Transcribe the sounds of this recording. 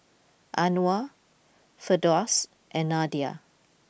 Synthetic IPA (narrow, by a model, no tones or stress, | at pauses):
ʔanua | fədɔs | ʔɛ̃nadia̰